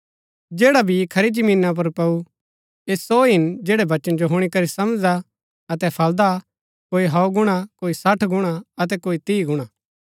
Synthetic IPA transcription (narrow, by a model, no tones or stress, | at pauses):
d͡ʒeːɽabʱikʰɐɾid͡ʒɐmĩːnap̬ɐɾpɐu | eːsoːɦɪnd͡ʒeːɽɛbɐt͡ʃənd͡ʒoɦʊɽ̃ikɐɾisɐmd͡ʒa | ɐt̪ɛpʰɐld̪a | koːiɦɐoɡʊɽ̃akoːisɐʈʰɡʊɽ̃aɐt̪̬ɛkoːit̪iːɡʊɽ̃aː